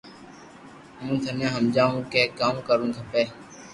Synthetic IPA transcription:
mũːt̪ʰənjãːɦəmd͡ʒaːũːkeːkaːmkəɾũːkʰəpeː

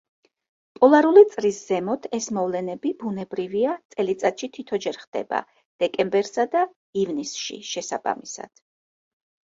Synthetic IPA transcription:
pʼɔlˠaɾulit̪sʼɾisz̥ɛmɔt̪ʰɛsmɔvlɛnɛbib̥unɛbɾiviat̪sʼɛlit̪sʼat̪ʃit̪ʰit̪ʰɔd͡ʒɛɾχd̪̥ɛ̰ba̰ | d̪̥ɛkʼɛmbɛɾsad̪a | ivnisʃḭʃɛsa̰ba̰misa̰d̪̥

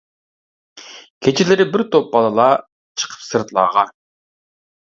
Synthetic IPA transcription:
kʲʰet͡ʃʰelɪɾɪbiɾt̪ʰop̚bɑlˠɑlˠɑ | t͡ʃʰɨ̥qʰə̥psɨɾt̪lˠɑ̰ːʁɑ

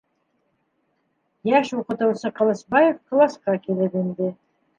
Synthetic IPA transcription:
jæʃuqɤ̆t̪ɤ̆wsɤqɑ̆lˠɤ̆sbɑjefklˠɑsqɑkilɘpind̪ɘ

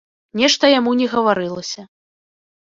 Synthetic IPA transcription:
nʲɛʂt̪ɐjamunʲɛɣɐvaɾɨlˠɐsʲɐ

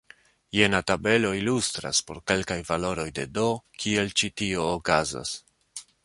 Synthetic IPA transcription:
je̞natabe̞lo̞ilustɾa̰spo̞ɾke̞lkajvalo̞ɾo̞jde̞do̞kʰie̞lt͡ʃitio̞ːkaza̰s

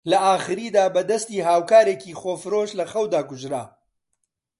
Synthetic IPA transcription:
lɐʔaːxɨɾiːd̪aːbɐd̪ɐst̪iːɦaːwkaːɾeːkiːχoːfɨɾoːʃlɐxɐwd̪aːkʊʒɾa̰ː

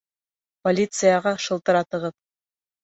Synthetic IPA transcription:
polʲit̪sɨjɑʁɑʃɤ̆lˠt̪ɤ̆ɾɑt̪ɤ̆ʁɤp̚

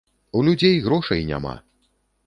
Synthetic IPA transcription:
ulʲud͡zʲejɣɾɔʂɐjnʲa̰ma̰

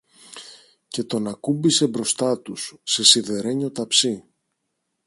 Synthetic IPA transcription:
ce̞t̪o̞nɐkumbise̞bɾo̞st̪ɐt̪usːe̞siðe̞ɾe̞ɲo̞t̪ɐpsi

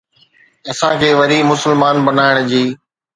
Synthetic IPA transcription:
ɐsãkʰeːʋɐɾimʊsəlmaːnbɐnaːɪɽ̃d͡ʑiː

